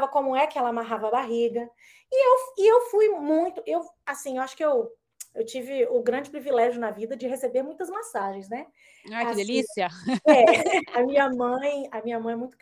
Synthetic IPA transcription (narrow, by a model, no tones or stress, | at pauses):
vɐkõmʊɛkɪɛlɐamaɦavɐbaɦiɡɐ | ɪewɪewfujmũj̃t̪ʊewasĩewaʃʊ̥kɪew | ewt͡ʃivɪʊɡɾɐ̃d͡ʒɪpɾivilɛʒjʊnɐvid̪ɐd͡ʒɪɦesebeɾmũj̃t̪ɐzmasaʒẽj̃znɛ | akɪd̪elisiɐɛɐmĩɲɐmɐ̃j̃ɐmĩɲɐmɐ̃j̃ɛmũj̃t̪ʊ